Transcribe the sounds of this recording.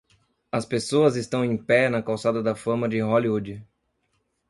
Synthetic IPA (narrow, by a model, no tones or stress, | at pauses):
ɐspesoɐzɪst̪ɐ̃w̃ẽj̃pɛnɐkawsad̪ɐd̪ɐfɐ̃mɐd͡ʒɪɦoliud͡ʒɪ